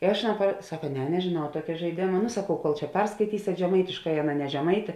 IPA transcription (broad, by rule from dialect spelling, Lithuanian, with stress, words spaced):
ɪ ˈɐʃ ɐˈnɑː prɐ ˈsɑːkɐ ˈnʲɛ nʲɛʒʲeːˈnɐʊ ˈtuɔkʲɛ ʒɐɪˈdʲeːmɐ nʊ sɐˈkɐʊ koːlˠ t͡ʃʲɛ ˈpʲɛrskɐɪtʲiːsʲeːt ʒʲɛˈmɐɪtʲɪʃkɐɪ ˈɑːˌnɐ nʲɛ ʒʲɛˈmɐɪtʲeː